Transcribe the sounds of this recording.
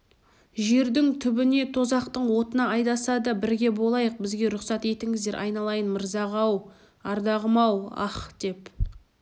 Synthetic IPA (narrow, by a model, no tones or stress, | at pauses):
ʒe̞ɾd̪ɪŋt̪ʰʏbɪne̞t̪ʰo̞zɑqt̪əɴwo̞t̪ənɑɑjd̪ɑsɑd̪əbɪɾɡʲe̞bo̞lˠɑjəq̚bɪzɡʲe̞ɾʊqsɑt̪e̞t̪ɪŋɪzd̪e̞ɾʔɑ̰jnɑlˠɑjənməɾzɑʁɑw | ɑɾd̪ɑʁəmɑwɑ̰χd̪̥e̞p